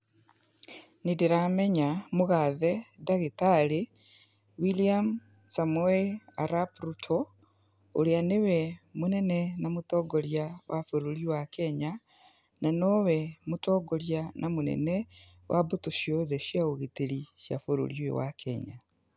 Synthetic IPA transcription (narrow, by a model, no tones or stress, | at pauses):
nidiɾameɲamuɣaðedaɣitale | wiliam | samueaɾapɾutʰo | oɾianewɛmunenenamutɔɡoljawʔafoɾoɾiuwakeɲa | nanowɛmutɔːɡoɾjanʔamunḛne | wʔabutuʃjoðeʃjaoɣiteɾiʃja̰foɾo̰ɾjwḛwa̰kʰeɲa